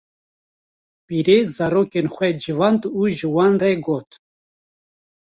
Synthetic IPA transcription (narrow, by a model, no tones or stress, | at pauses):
piːɾezɑːɾoːkenxʷɛd͡ʒivɑːnd̪uːʒɨwɑːnreɡoːt̪